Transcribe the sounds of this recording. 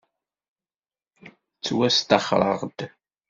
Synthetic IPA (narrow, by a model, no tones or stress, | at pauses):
t͡sːwæst̪ɑχɾˤə̰ʁd̪